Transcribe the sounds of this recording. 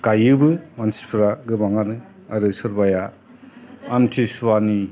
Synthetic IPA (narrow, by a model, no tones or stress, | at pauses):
kajɯbɯmansi̥pʰɾaɡɯbaŋanɯ | aɾɯsɯɾbaja | amtʰisuwani